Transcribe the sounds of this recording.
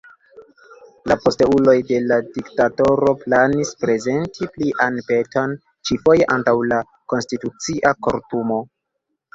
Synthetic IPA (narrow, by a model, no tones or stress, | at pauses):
lapo̞steulo̞jde̞ladiktato̞ɾo̞planispɾe̞ze̞ntʰipliʔanpe̞tʰo̞n | t͡ʃifo̞je̞ʔantawla | ko̞nstitut͡siʔako̞ɾtumo̞